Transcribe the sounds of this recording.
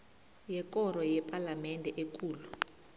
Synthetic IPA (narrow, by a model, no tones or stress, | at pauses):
jɛk̬ʼɔɾɔjɛpʼalamɛndʱɛʔek̬ʼuːlu